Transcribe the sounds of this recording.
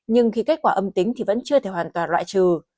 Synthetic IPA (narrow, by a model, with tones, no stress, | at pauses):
ɲɨ˧ŋxi˧ka˦˥k̟̚kwaː˧˩ʔə˧mt̪ï˨˦ŋt̪ʰi˨˩və̰˧˥nt͡ɕɨ˧ət̪ʰe˧˩waː˨˩nt̪waː˨˩nlwa̰ː˧˨jt͡ɕɨ˨˩